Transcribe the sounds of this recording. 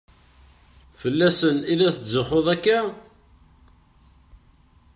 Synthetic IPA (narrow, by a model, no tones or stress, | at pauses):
fəlːæsənilæθəzəχoðˤækːæ